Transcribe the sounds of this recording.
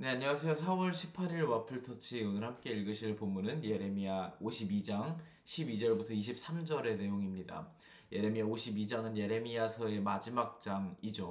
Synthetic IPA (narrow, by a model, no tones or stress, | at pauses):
ne̞aɲːiwasʰe̞josʰawʌɭɕʰipʰaɾiɭwʌpʰɯɭtʰʌt͡ɕʰionɯɭhamk͈e̞iɭɡɯɕʰiɭpomːunɯnje̞ɾe̞miaoɕʰibid͡ʑaŋ | ɕʰibid͡ʑʌɭbutʰʌiɕʰip̚s͈ʰamd͡ʑʌɾe̞ne̞joŋimɲida̰ | je̞ɾe̞miaoɕʰibid͡ʑaŋɯnje̞ɾe̞miasʰʌe̞mad͡ʑimak̚t͡ɕ͈aŋid͡ʑo